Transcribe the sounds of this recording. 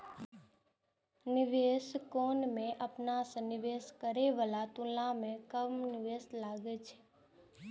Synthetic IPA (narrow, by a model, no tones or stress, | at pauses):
nɪʋeːskoːnmẽʔəpnasenɪʋeːskəɾeʋəlat̪ʊlãmẽkəmnɪʋeːslaːɡet͡ʃʰe̥